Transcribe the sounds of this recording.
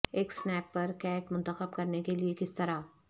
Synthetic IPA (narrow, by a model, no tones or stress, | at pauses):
eːksnɛːpːɐɾkɛːʈmʊ̃nt̪əxəbkɐɾnekeliekɪst̪ɐɾa